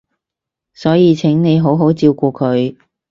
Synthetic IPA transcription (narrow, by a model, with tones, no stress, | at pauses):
sɔː˨˥jiː˨˧t͡sʰɪ˨˥ŋne˨˧jɦo˨˥wɦo˨˥wt͡siː˧wkʷuː˧kʰɵ˨˧ɥ